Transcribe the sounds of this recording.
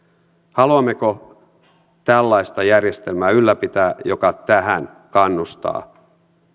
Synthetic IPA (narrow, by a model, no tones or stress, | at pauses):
hɑluɑmːe̞ko | t̪ælːɑjst̪ɑjærje̞st̪elmæːylːæpit̪æːjo̞kɑt̪æɦæn | kɑnːust̪ɑ̰ː